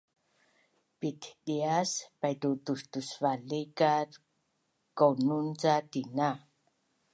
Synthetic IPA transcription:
pit̪ɗiaspajt̪ut̪ust̪usvalikat | kownunt͡sat̪ina

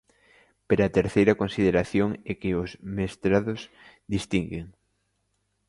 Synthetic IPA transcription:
peɾaːt̪eɾθejɾɐkonsið̞eɾaθjoŋɛkɪʊzmest̪ɾaðʊs | d̪ist̪iŋɡeŋ

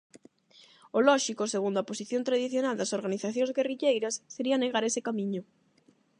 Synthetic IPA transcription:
olɔʃikoseɣund̪oaposiθjont̪ɾaðiθjonald̪ɐsoɾɣaniθaθjõŋzɣeriʎejɾɐsːeɾiɐaneɣaɾesɪkamĩɲʊ

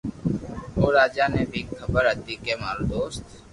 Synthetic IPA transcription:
oːɾaːd͡ʒaːnebʱikʰːəbəɾət̪ikemaːld̪oːst̪

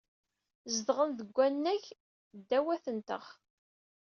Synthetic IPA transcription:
zəd̪ʁənðəɡʷːænːæʝ | d̪ːæwæθənt̪ə̰ʁ

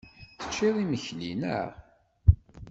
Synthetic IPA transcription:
θə̥t͡ʃːiðˤiməçlḭnə̰

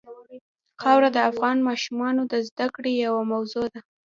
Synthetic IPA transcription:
xɑwɾad̪əafɣɑnmɑʃumɑnod̪əzd̪akɽejawamawzod̪a

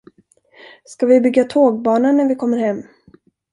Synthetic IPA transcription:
skavɪbʏɡːat̪ʰoːɡ̚bɑːnanːæɾvɪkʰɔmːəɾhɛmː

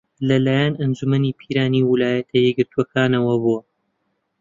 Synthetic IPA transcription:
lɐlaːjanɐnd͡ʒumɐnipʰiːɾaːniwɪlaːjɐt̪ʰɐjɛɡɨɾt̪ʰuɐkʰaːnɐwɐbuɐ

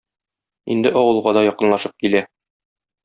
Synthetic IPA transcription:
ḭnd̪ɘʔɒwɤ̆lˠʁɑd̪ɒjɒqɤ̆nlˠɑʃɤp̚kilæ

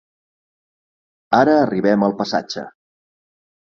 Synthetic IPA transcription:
aɾəːriβɛməlˠpəsa̰d͡ʒə̰

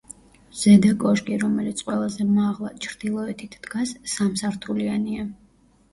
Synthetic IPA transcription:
z̥ɛd̪akʼɔʃɡʼiɾɔmɛlit̪sʰqʼwɛlˠazɛmaʁlˠat͡ʃʰɾd̪̥ilˠɔɛt̪ʰit̪ʰd̪̥ɡasːamsaɾt̪ʰuliania

